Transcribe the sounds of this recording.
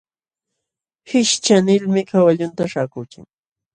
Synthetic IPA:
hɪʃt͡ʃanɪlmɪkawaʎʊnt̪aʃakʊjka̰ŋ

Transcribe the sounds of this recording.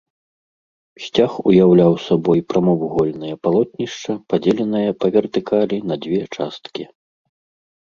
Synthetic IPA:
sʲt͡sʲaxujawlʲawsɐbɔjpɾamɔvuɣɔlʲnɐjɐpalˠɔt̪̚ʲnʲiʂt͡ʂɐpad͡zʲɛlʲɛnɐjɐpɐvʲɛrt̪ɨkalʲinɐd͡zʲvʲɛt͡ʂast̪kʲi

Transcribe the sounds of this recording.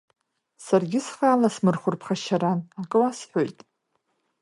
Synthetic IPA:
sarɡʲɪsχaːlasmɨrχʷʊrpʰχaʃaɾanakʼɨwasħʷo̞jtʼ

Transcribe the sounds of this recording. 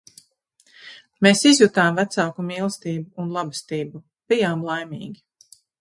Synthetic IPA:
meːsizjut̪aːmvæt̪saːkumiːlˠst̪iːbuːnlˠabist̪iːbu | b̥ijaːmlˠajmḭːɡʲi

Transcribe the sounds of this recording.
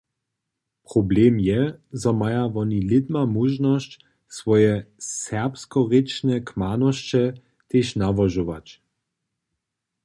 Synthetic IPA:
pʁɔblemjɛzɔmajaʋɔnilɪd̪mamuʒnɔst͡ɕ | sʋɔjɛsɛʁpskɔʁɪt͡ʃnɛkmanɔʃt͡ʃɛ | t̪eʃnavɔʒoʋa̰t͡ɕ

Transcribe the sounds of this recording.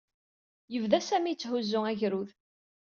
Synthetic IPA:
jəvðæsæmit͡sːhʊzːʊŋæʝɾuð

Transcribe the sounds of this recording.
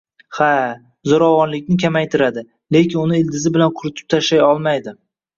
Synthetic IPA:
ha | zoɾɒvɒnlɪkʲnɪkʲʰamajt̪ʰɪɾad̪ɪ | le̞kʲɪnʊnɪɪld̪ɪzɪbɪlanqʰʊɾɪt̪ʰɪ̥p̚t̪ʰaʃlajɒlˠmajd̪ɪ

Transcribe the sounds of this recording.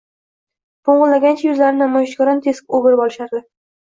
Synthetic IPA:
boɴʁɨllaɡʲant͡ʃʰajʊzlaɾɪnamɒjɪʃɡʲɒɾɒnt̪ʰe̞skʲoɡʲɪɾbɒlɪʃaɾd̪ɪ

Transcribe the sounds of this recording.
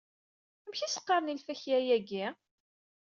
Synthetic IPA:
æmçisə̥qːɑɾˤnilfæçjæjæɡi

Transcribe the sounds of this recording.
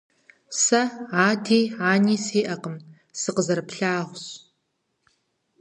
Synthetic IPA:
sɐaːdʰiːaːniːsiːʔɐqəm | sɨqəzɐɾɨpɬaːʁʷɕ

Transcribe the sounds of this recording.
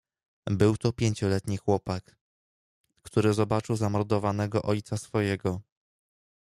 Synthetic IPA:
bɘwt̪ɔpʲjeɲt͡ɕɔlɛt̪ɲixwɔpak | t̪uɾɘzɔbat͡ʂɘwzamɔɾd̪ɔvanɛɡɔʔɔjt̪sasfɔjɛɡɔ

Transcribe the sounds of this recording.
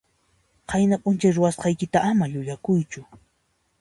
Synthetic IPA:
qʰɑjnapʼʊnt͡ʃajɾʊwasqɑjkɪt̪aʔamaʎʊʎakʊjt͡ʃʊ

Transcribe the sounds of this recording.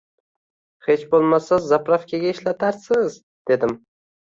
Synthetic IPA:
het͡ʃbolˠmasazːapɾafkʲʰaɡʲaɪʃlat̪ʰaɾsɪz | d̪̥e̞d̪ɪm

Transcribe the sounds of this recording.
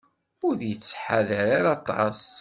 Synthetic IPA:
ʊɾðjət͡sːħaðəɾaɾɑt̪ˤːɑs

